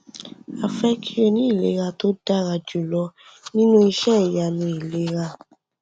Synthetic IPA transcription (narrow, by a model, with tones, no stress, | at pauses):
a˨fɛ˦kʰi˦ɾe˧nĩ˦i˦˨le˨˦ɾa˧to˦da˦ɾa˧d͡ʒu˨lɔ˧˦ | nĩ˦nũ˦i˧ʃɛ˦˨ja˨nũ˧˦i˨le˨˦ɾa˧